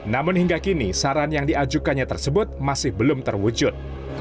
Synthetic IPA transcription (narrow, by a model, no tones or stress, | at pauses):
namʊnhiŋɡakinisaɾanjaŋdiad͡ʒukanɲat̪ərsəbʊt̪̚masɪhbəlʊmt̪ərwud͡ʒʊt̪̚